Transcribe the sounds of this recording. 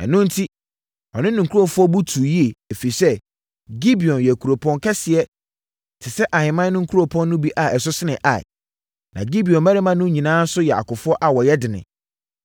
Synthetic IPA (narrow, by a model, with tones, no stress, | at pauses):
ɛ̰˨nʊ̃˦n̩˦tʰi˦ | ɔ̰˨nɪ̃˦nʊ̃˨ŋ˨kʰu˦ɔ̃˨fʊ˦ɔ˦bu˦tʰu˨ji˦e˨e˨fi˨i˨sɛ˦ | ɡi˦bi˨ɔ̃˨njɛ˨kʰu˨ɾo˨pʰɔ̃˨ŋkʰɛ˦sɪ˨ɛ˦ | tʰɪ˨sɛ˦ʔa˨hɪ̃˨mã˦n˦nʊ̃˦kʰu˦ɾo˨pʰɔ̃˦nːʊ̃˦bi˦ʔa˨ɛ˨sʊ˦sɪ˦nɪ̃˨ʔa˨ɪ̰˨ | nã̰˨ɡi˦bi˨ɔ̃˨nmæ˦ɾɪ˦mã˦nʊ̃˦ɲĩ˨nãː˦n̩˦sʊ˦jɛ˨a̰˨kʊ˨fʊ˦ɔ˦ʔa˨wɔ˨jɛ˦dɪ˨nɪ̰̃˨